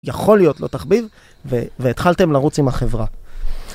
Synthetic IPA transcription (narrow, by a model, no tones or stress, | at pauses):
jaχo̞lijo̞tlo̞t̪aχbiv | veveːt̪χalt̪e̞mlaʁut͡simaχe̞vʁa